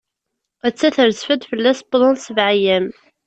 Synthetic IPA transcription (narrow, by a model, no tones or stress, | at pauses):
æt͡sːæθəɾzfəd̪fəlːæsblˤənsəvʕajæm